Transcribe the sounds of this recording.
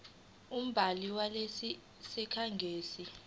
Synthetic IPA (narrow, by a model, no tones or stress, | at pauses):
um̩bʱaliwalesi | sɛkʰaŋɡʱeːsi